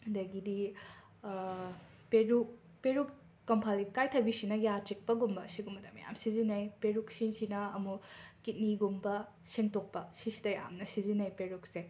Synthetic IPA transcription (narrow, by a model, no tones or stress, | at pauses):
dɐɡidi | peɾuk̚ | peɾukː | ɐmpʰalikajtʰɐbisinɐjat͡ʃik̚pɐɡumbɐsiɡumbɐdɐmːɐ̰ja̰msizinɐjpeɾuksinsinɐɐmukit̚niɡumbɐ | siŋtok̚pɐsisidɐja̰mnɐsizinɐjpeɾuk̚se